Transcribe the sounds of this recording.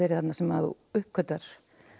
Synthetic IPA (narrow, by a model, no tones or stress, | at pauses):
ɛːɾɪθhat̪nasɛmaðṵ | ʏhp̚kʰœt̪ːaɾ̥